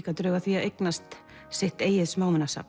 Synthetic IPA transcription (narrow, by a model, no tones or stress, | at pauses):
kat̪ɾœːɣaθviaðejknast̪ | sɪht̪eːjɪðsmaːwmɛnasa̰p